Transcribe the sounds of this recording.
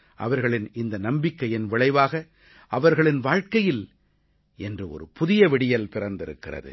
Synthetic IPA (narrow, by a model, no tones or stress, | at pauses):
ʔɐ̰ʋɐɾɣɐɭɪnɪnd̪ɐnɐmbɪkːɐjɪnʋɪɭɐɪʋaːɣɐ | ʔɐʋɐɾɣɐɭɪnʋaːɻkɐjɪl | ʔɛndrɯɔ̰ɾɯpʊðɪjɐʋɪɽɪjɐlpɪɾɐnd̪ɪɾɯ̰kːɪrɐ̰ðɯ̰